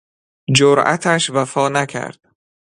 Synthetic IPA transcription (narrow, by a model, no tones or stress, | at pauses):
d͡ʒoɾʔæ̰t̪ʰæʃvæfɒːnækʰæ̰ɾd̪̥